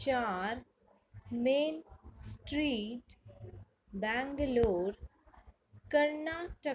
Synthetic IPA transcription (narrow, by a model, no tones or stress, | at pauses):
t͡ʃaːɾ | meːnsʈɾiːʈ | bɛ̃ːŋɡloːɾ | kəɾnaːʈə